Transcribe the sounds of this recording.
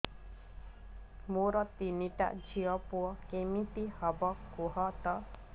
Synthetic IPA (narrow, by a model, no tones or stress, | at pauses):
moɾɔt̪iniʈa̰d͡ʒʱiɔpuɔkemit̪ihɔbɔkoɦɔt̪ɔ